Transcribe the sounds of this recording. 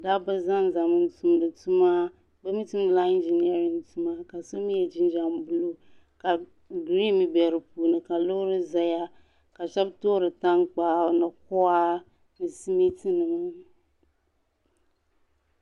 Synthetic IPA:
da˦bɨ˦za˦n˨za˨mɨ˨n˨tu˨m˨dɨ˨tu˦ma˦ | bɨ˦mi˦tɨ˦nɨ˦˨la˦i˦nd͡ʒe˨ni˦a˦ɾi˨ŋtu˦ma˦ka˨so˦mi˦jɛ˨d͡ʒi˦n˦d͡ʒa˨mbu˦lo˦ | ka˨ | ɡɾi˦mi˨bɛ˨ɾɨ˨pu˨nɨ˨ka˨lo˦ɾɨ˦za˨ja˦ | ka˨ʃɛ˦btoː˦ɾɨ˨ta˦ŋk͡pa˦nɨ˨k̚ʊ˦a˦ | nɨ˨si˦mi˦ti˦nɨ˨ŋ˦

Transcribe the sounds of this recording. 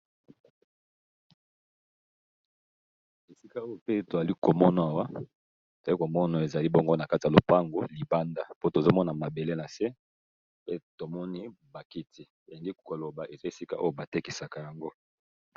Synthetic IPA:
e˨si˦ka˦o˦jo˨pe˦to˨za˨li˦ko˨mɔ˦na˨a˨wa˦ | to˨a˨li˦ko˨mɔ˦na˨e˨za˨li˦bɔ˦ŋɡo˦na˨ka˦ti˨a˨lo˨pa˦ŋɡo˨li˨ba˦nda˦po˦to˨zo˦mɔ˦na˨ma˨be˨le˦na˨se˦ | pe˦to˨mɔ˦ni˦ba˨ki˦ti˦ | e˨le˨ŋɡi˦ko˨lo˨ba˨e˨za˦e˨si˦ka̰˦ʔo˦jo˦ba˨te˦ki˨sa˨ka˨ja˨ŋɡo˦

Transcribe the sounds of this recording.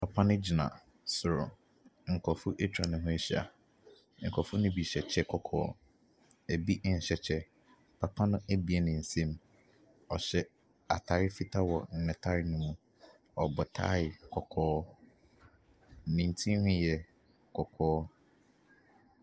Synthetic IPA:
pʰa˨pʰã˦nʊ̃˦d͡ʑi˨nã̰˨ | sʊ˨ɾʊ̰˨ | ŋ̩˨kʰɔ˨fʊ˦ʔe˦tʰᶣɾa˨nʊ̃˨ɦʊ̃˦ɕi˦a̰˨ | ŋ̩˨kʰɔ˨fʊ˦nʊ̃˦bi˨ɕɛ˨t͡ɕʰɛ˦kʰɔ˨kʰɔ̰ː˦ | e˨bi˦ʔn̩˨ɕɛ˨t͡ɕʰɛ˦ | pʰa˨pʰã˦nʊ̃˦æ˦bi˨e˨nɪ̃˨n̩˨sɛ̃˦m | ɔ˨ɕɛ˦ | a̰˨tʰa˨ɾɪ˦fi˦tʰa˦wɔ˨n̩˨nɪ̃˨tʰa˦ɾɪ˦nʊ̃˦mũ˦ | ɔ˨bɔ˨tʰa̰˦ɪ˨kʰɔ˨kʰɔː˦˨ | nĩ˨n˨tʰĩ˦hʊ̃˦jɛ˨ | kʰɔ˨kʰɔː˦

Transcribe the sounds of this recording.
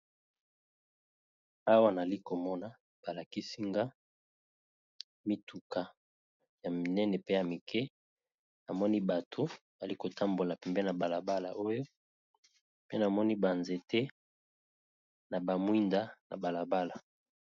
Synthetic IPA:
a˦wa˦na˨li˦ko˨mɔ˦na˨ | b̥a˨la˨ki˦si˦ŋɡa˦ | mi˨tu˨ka˨ | ja˨mi˨nɛ˦nɛ˨pe˦ja˨mi˨kʰɛ˦ | na˨mɔ˦ni˦ba˨tʰo˨ | a˨li˦ko˨ta˦mbo˨la˨pɛ˨mbɛ˦na˨ba˨la˨ba˦la̰˨ʔo˦jo˦ | pe˦na˨mɔ˦ni˦ba˨nze˨te˦ | na˨ba˨mwi˦nda˦na̰˨ba˨la˨ba˦la˨

